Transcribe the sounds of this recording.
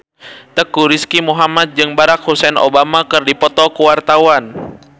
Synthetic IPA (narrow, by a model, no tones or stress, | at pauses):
t̪əkuɾiskimuɦamat̪̚d͡ʒɨŋbaɾak̚husɛnʔo̰bamakɨrdipɔt̪ɔkuwart̪awan